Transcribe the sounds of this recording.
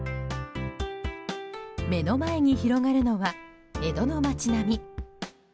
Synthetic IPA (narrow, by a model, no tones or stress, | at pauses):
me̞no̞mae̞ɲ̟içiɾo̞ŋaɾɯ̟no̞βa | e̞d̪o̞no̞mat͡ɕinamʲi